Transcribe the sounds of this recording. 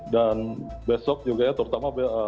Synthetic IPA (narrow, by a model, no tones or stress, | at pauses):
danbesɔk̚d͡ʒuɡaɲat̪əɾut̪amabeə